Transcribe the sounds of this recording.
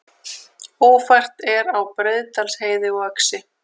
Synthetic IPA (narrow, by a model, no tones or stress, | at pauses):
oːwfajr̥t̪ɛɾawpɾeðt̪alsheːjðɪɣœksɪ